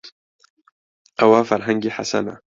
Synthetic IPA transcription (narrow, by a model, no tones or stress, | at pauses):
ʔɐwaːfɐɾɦaŋɡiːħasa̰na̰